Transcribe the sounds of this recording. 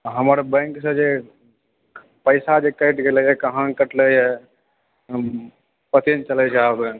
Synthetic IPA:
ɦəməɾbɛ̃ŋksə̃d͡ʒe | pəɪsad͡ʒekəɪʈɡeləjɛkəɦãkəʈləjɛ | pət̪int͡ʃəlɛt͡ʃʰɛabẽk

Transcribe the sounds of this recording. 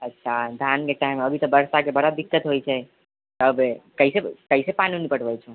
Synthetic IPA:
ətːʃʰad̪ʱjankeʈaɪməbʱit̪əbəɾsakebəɽad̪ikːət̪ɦojt͡ʃʰɛ | t̪əbkəisekəisepaninipəʈbɛt͡ʃʰɛ

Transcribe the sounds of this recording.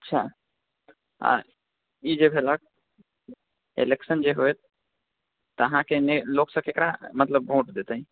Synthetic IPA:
ətːʃʰa̰ | a̰ | id͡ʒebʱelək̚ | ḛleksənd͡ʒeɦojt̪ | t̪ːəɦãkeneloksə̃kekɾamət̪ləb̚ːʱõʈd̪et̪əɦĩ

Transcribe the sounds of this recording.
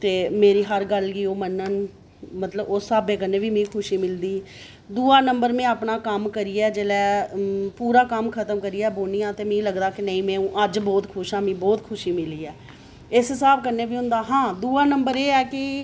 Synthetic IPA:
t̪eːmeːɾiːɦəɾɡəlɡiːoːmənːən | mət̪ləbʊsːaːbeːk̬əɾneːʋiːmĩːkʰʊʃiːmɪld̪iː | d̪uːaːnəmbəɾmɛ̃ːapnaːkəmkəɾiːɛːd͡ʒeːlɛːpuːɾaːkəmkʰət̪əmkəɾiːɛːboːnijãːt̪eːmẽːləɡd̪aːkɪnəĩːmɛ̃ːũːʔəd͡ʒbɔːt̪kʰʊʃãːmĩːbɔːt̪kʰʊʃiːmɪliːɛː | ɪsɦɪsaːb̚kəɾneːʋiːɦʊ̃nd̪aːɦãːd̪uːaːnəmbəɾeːɛːkɪ

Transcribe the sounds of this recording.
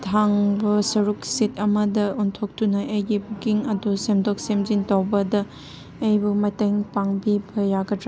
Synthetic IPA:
tʰaŋbɐsɐɾuk̚sitʰɐmɐdɐontʰok̚tunɐʔɐjɡibukiŋɐdusemdɔk̚semzintawbɐdɐː | jbumɐteŋpaŋbibɐjaɡɐɾa

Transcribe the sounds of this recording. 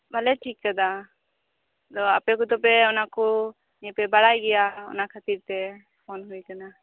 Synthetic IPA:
balɛʈʰikːəd̪a | t̪ɔəpɛk̬ut̪ɔpɛʊnakɔ | ɛpɛbaɽajɡɛjaʊ̰nakʰat̪iɾt̪ɛ | pʰoːnɦuijkana

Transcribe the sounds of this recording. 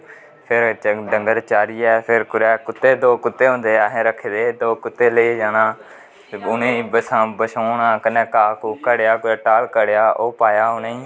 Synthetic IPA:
pʰɪɾɖəŋɡəɾt͡ʃaːɾiːɛːpʰɪɾkʊɾɛːkʊt̪ːeːd̪oːkʊt̪ːeːɦõːnd̪eːaːɦẽːɾəkʰːed̪eːd̪oːkʊt̪ːeːled͡ʒaːnãː | ʊnẽːbəsãːbəʃoːnaːkənɛ̃ːkaːkuːkəɽejaːkʊɾɛːʈaːlkəɽejaːʔoːpaːjaːoneːiː

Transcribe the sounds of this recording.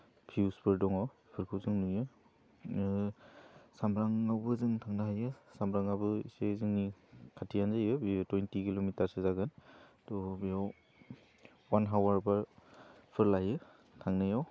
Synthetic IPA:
pʰiuspɯɾdɔŋaw | pʰɯɾkʰɯwzɯŋnujɯ | samɾaŋawbɯzɯŋtʰaŋnaɦajɯsamɾaŋabɯḭsezɯŋnikʰatʰijanzajɯbitwɔjntikilomitaɾsezaɡɯntɔbijaw | wanɦawaɾbaɾpʰɯɾlajɯ | tʰaŋnajaw

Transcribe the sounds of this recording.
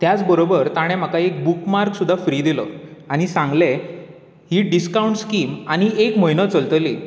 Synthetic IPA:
t̪jat͡sbəɾobəɾt̪aɽ̃ɛ̃m̤akaek̚bukmaɾksud̪ʱːafɾiːd̪iləaɽ̃isãŋɡle | hiːɖiskauɳʈskiːmaɽ̃iekm̤əjnət͡səlt̪əliː

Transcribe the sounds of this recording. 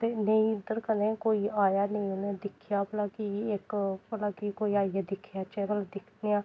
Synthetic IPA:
t̪eːnəĩːɪd̪əɾkənẽːkoːiːaːjaːnəĩːʊnẽd̪ɪkʰjaːplaːkiɪkpəlaːkikoːiːaːijaːd̪ɪkʰjaːt͡ʃɛːɡəld̪ɪkʰnejaː

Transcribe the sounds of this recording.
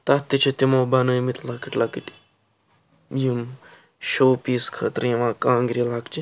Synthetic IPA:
t̪ɐt̪ːit͡ʃʰet̪imoːbɐnujmit̪lɐkiʈʲlɐkiʈi | jim | ʃoːpiːskʰɐt̪ɾjĩʋãːkãːŋɡɾilaːkt͡ʃi

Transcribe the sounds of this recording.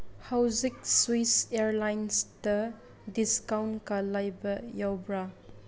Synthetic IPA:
hawzik̚swiseɾlajnsda | diskawnkalajbɐjawbɾa

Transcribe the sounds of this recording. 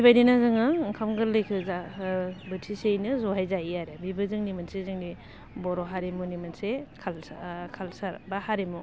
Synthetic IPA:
ibajdinazɯŋɯŋkʰamɡɯɾlɯjkʰɯzabɯtʰisejnɯzɔɦajzaiaɾebibɯzɯŋnimansezɯŋdi | bɔɾɔɦaɾemunimansekʰalkʰalsaɾbahaɾemu

